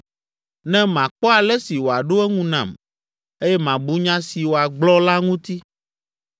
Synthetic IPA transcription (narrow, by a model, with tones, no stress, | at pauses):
nɛ̃˦mã˨k͡pɔ˦a˨lɛ˦si˨wo˨a˨ɖo˦ɛ˦ŋũ˦nã̰˨m | e˦jɛ˦mã˨bu˦ɲã˦si˨wo˨a˨ɡ͡blɔ˦la˦ŋũ˦t̪i˦